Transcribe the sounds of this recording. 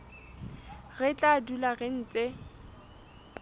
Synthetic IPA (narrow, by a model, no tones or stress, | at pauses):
ɣɛt͡ɬʼadulaɣɪn̩ːt͡sʼe